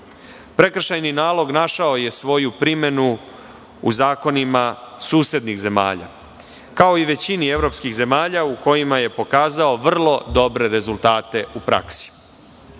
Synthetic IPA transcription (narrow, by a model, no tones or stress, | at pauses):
pɾe̞kr̩ʃajninaːlˠo̞ɡnaʃao̞je̞sʋo̞jupɾime̞nu | uzaːko̞nimasuːsje̞d̪nixze̞ma̰ːʎa̰ | kao̞iʋe̞t͡ɕinie̞vɾo̞pskiɣze̞maːʎauko̞jimaje̞po̞kaːzao̞ʋr̩lˠo̞d̪o̞bɾe̞ɾe̞zulˠt̪aːt̪e̞upɾa̰ksi̥